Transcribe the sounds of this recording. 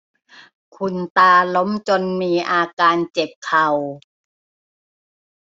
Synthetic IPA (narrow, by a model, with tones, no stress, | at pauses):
kʰu˧˩nt̪aː˧lo˦˥mt͡ɕo˧nmiː˧ʔaː˧kaː˧nt͡ɕe˨˩p̚kʰa˨˩w